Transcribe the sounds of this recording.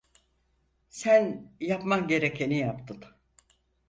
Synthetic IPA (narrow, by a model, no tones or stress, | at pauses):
sænjapmakɟe̞ɾecʰenijapt̪ʰɯn